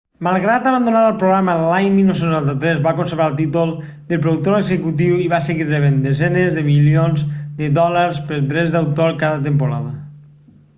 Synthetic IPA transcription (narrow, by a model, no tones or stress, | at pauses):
malˠɣɾat̪aβand̪onaɾəlˠpɾoɣɾaməlaɲmilˠnowsenuant̪at̪ɾɛzβakonseɾβalˠt̪̬it̪ulˠ | d̪əlˠp̬ɾoðuk̚t̪oɾeɡzəkut̪̬iwiβaseɣiɾreβend̪ezɛnezðəmilionzd̪əd̪ɔləɾspəɾd̪ɾɛzd̪awt̪oɾkaðət̪̬empoɾaðə